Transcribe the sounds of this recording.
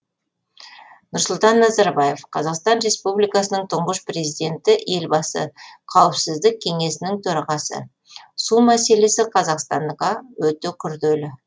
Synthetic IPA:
nʊɾsʊlˠt̪ɑnːɑzɑɾbɑje̞fqʰɑzɑqst̪ɑnɾe̞spublijkɑsənəɴt̪ʰʊɴʁəʃpre̞zijd̪e̞nt̪ɪʔe̞lbɑsə̰qʰɑwəpsɪzd̪ɪk̚ʲʰːe̞ŋe̞sɪnɪŋt̪ʰɵɾɑʁɑsə̰ | sumæse̞le̞sɪqʰɑzɑqst̪ɑ̰nd̪əʁɑwɵt̪e̞kʰʏɾd̪ɵlɪ

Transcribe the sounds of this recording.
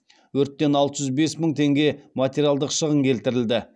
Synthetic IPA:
wɵɾt̪ːe̞nɑlˠt̪əʒʏzbe̞sməɴt̪ʰe̞ŋɡʲe̞mat̪ʲe̞ɾijalˠd̪əqʃəʁəɴkʲʰe̞lt̪ɪɾɪld̪ɪ

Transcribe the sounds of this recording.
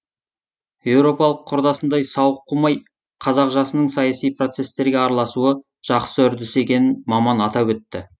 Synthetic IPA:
je̞wɾo̞pɑlˠəqʰːʊɾd̪ɑsənd̪ɑjsɑwəqːumɑj | qʰɑzɑqʒɑsənəɴsɑjɑsijpro̞t̪se̞st̪e̞ɾɡʲe̞ɑɾɑlˠɑsuə | ʒ̥ɑqsəʏɾd̪ɪse̞kʲe̞nɪnmɑmɑnɑt̪ɑwɵt̪ːɪ

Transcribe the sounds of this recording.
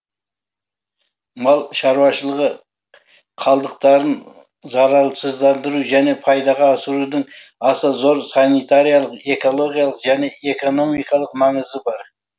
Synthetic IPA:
mɑlˠʃɑɾwɑʃəlˠəʁə | qʰɑlˠd̪əqt̪ɑɾən | zɑɾɑlˠsəzd̪ɑnd̪əɾuʒæne̞pʰɑjd̪ɑʁɑːsəɾud̪əɴɑsəzo̞ɾsɑnijt̪aɾijalˠəqe̞ko̞lˠo̞ɡʲijalˠəqʒæne̞eko̞no̞mijkɑlˠəqmɑɴəzəbɑɾ

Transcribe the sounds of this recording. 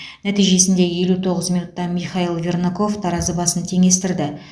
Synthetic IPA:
næt̪ijʒe̞sɪnd̪e̞je̞lut̪ʰo̞ʁəzmijnut̪ːɑmijχɑilˠvʲe̞rnako̞ft̪ʰɑɾɑzəbɑsənt̪ʰe̞ŋe̞st̪ɪɾd̪ɪ

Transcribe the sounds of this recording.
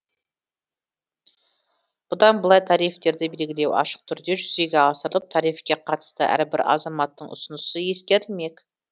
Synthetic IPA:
b̥ʊd̪ɑnbəlˠɑjt̪ʰɑɾijft̪e̞ɾd̪ɪbe̞lɡʲɪle̞wɑ̰ʃə̥q̚t̪ʰʏɾd̪e̞ʒʏze̞ɡʲe̞ɑsəɾəlˠəp̚t̪ʰɑɾijfkʲe̞qʰɑt̪ə̥st̪əʔæ̰ɾbɪ̰ɾɑ̰zɑmɑt̪ːəɴʊ̰sʊnəsəje̞skʲe̞ɾɪlme̞k

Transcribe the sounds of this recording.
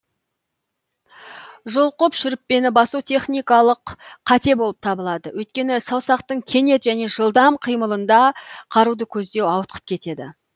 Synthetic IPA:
ʒolˠqʊpʃʏɾɪpːe̞nɪbɑsut̪ʰe̞χnijkɑlˠəqʰːɑt̪e̞bolˠəp̚t̪ʰɑbəlˠɑd̪əwɵjt̪̚kʲe̞nɪsɑwsɑqt̪əɴkʲʰe̞ne̞t̪ʒæne̞ʒəlˠd̪ɑmqʰəjməlˠənd̪ɑqʰɑɾud̪əkʲʰɵzd̪e̞wɑwt̪qʰə̥p̚kʲʰe̞t̪e̞d̪ɪ

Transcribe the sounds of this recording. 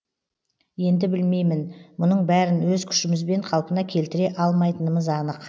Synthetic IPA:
je̞nd̪ɪbɪlme̞jmɪnmʊnəɴbæɾɪnwɵzkʲʰʏ̥ʃɪmɪzbe̞ɴqʰɑlˠpənɑkʲʰe̞lt̪ɪɾe̞ʔɑlˠmɑjt̪ənəməzɑnəq

